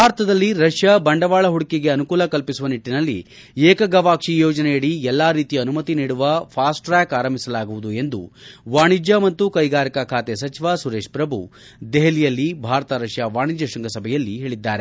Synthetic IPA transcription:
bbʱaːɾɐt̪ɐd̪ɐlːiɾɐʂjɐbɐɳɖɐʋaːɭɐɦuɽikeɡe̞ɐnukuːlɐkɐlpisuʋɐniʈːinɐlːḭ | eːkɐɡɐʋaːkʂijoːd͡ʒɐnɛjɐɽiɛlːaːɾiːt̪ijɐnumɐt̪iniːɽuʋɐpʰaːsʈɾaːkaːɾɐmbʱisɐlaːɡuʋud̪ue̞nd̪ṵʋaːɳid͡ʒjɐmɐt̪ːukɐjɡaːɾikɐkʰaːt̪esɐt͡ʃiʋasuɾe̞ːʂpɾɐbʱu | d̪eɦɐlijɐlːibʱaːɾɐt̪ɐɾɐʂjɐʋaːɳid͡ʒjɐʃɐŋɡɐsɐbʱɛjɐlːiɦe̞ːɭid̪ːaːɾe

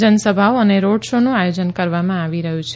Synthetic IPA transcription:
d͡ʒənəsəbʱaoəneɾoɽʃonũajod͡ʒənkəɾʋamãaʋiɾəɦũt͡ʃʰ

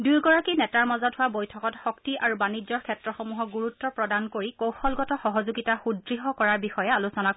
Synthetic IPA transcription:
dujɡɔɹakinɛtaɹmazɔtɦʊwabojtʰɔkɔtxɔktiʔaɹubanizɔɹkʰɛtɹɔxɔmuɦɔɡuɹutːɔpɹɔdankoɹikowxɔlɡɔtɔxɔɦɔzuɡitaxudɹiɦɔkɔɹaɹbixɔjɛalusɔnak

